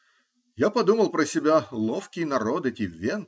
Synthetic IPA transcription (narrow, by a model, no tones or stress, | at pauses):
japɐd̪uməlˠpɾəsʲɪbʲalˠofkʲɪjnɐɾod̪ɛtʲɪvʲen